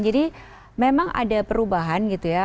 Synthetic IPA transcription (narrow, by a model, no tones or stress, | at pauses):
d͡ʒadi | memaŋa̰dapəɾubaɦanɡit̪uja